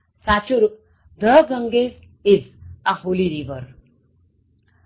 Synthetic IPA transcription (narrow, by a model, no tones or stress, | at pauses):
sat͡ʃuɾ | d̪əɡə̃ŋɡes | ɪzaɦoliɾiʋəɾ